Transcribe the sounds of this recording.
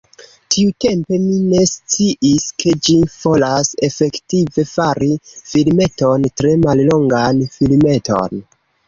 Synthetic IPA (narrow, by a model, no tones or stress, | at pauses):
tʰiute̞mpe̞mine̞st͡siʔiskʰe̞d͡ʒiv̥o̞lase̞fe̞ktive̞faɾifilme̞to̞ntɾe̞mallo̞ŋɡanfilme̞tʰo̞̰n